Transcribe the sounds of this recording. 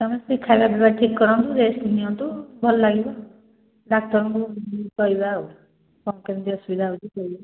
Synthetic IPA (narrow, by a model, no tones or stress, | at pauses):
kɔmesikʰajbabebaʈʰikːɔɾɔnt̪ud͡ʒeːsʈiniɔnt̪ubʱɔlɔlaɡibɔ | ɖak̚t̪ɔɾɔŋkukɔibau | kɔmkend̪iɔsubid̪ʱaut̪ikɔiba